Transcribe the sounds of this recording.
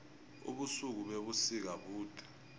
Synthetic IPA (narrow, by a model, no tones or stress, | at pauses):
ṵɓusuk̬uɓeɓusik̬aɓuːd̥ʱḁ